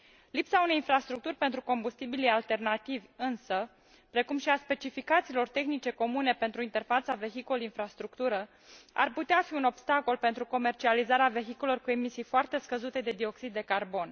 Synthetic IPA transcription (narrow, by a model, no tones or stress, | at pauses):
lipsaune̞jinfɾast̪ɾuk̚t̪urʲpe̞nt̪ɾuko̞mbust̪ibilijalt̪e̞rnat̪ivʲɨnsə | pɾe̞kumʃiaspe̞t͡ʃifikat̪silo̞rt̪e̞xnit͡ʃe̞ko̞mune̞pe̞nt̪ɾuint̪e̞rfat̪save̞xikolinfɾast̪ɾukt̪uɾə | a̰rput̪eafiuno̞bst̪ako̞lpe̞nt̪ɾuko̞me̞rt͡ʃializaɾeave̞xikoleorkue̞misijfoart̪e̞skəzut̪e̞d̪e̞d̪io̞ksid̪ːe̞karbo̞n